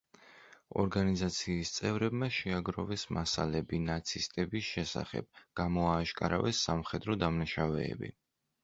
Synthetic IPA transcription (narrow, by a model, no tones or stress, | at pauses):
ɔ̰ɾɡanizat̪sʰiːst̪sʼɛvɾɛbmaʃɛaɡɾɔvɛsmasa̰lɛbinat̪sʰist̪ʼɛbisʃɛsa̰χɛ̰b̥̚ɡ̥amɔaːʃkʼaɾa̰vɛsːamχɛd̪ɾɔd̪amnaʃavɛ̰ːbḭ